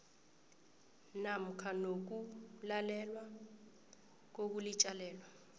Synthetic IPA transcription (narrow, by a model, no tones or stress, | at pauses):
nam̩kʰanok̬ulalɛlwa | k̬ok̬ulit͡ʃʼalɛːlwa